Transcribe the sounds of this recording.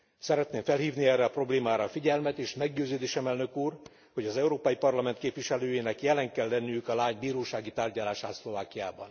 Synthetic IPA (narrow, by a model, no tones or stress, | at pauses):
sɛɾɛt̪neːɱfɛlhiːvniɛːrːɛɒpro̞bleːmaːɾɒfiɟɛlmɛt̪eːʃmɛɡɟøːzøːd̪eːʃɛmɛlnøkuːr | ho̞ɟɒzɛuɾoːpɒjipɒrlɒmɛnt̪̚keːpʋiʃɛløːjeːnɛkjɛlɛŋkɛlːɛnːyjykɒlaːɲbiːɾoːʃaːɡit̪aːrɟɒlaːʃaːt̪slo̞vaːkijaːbɒn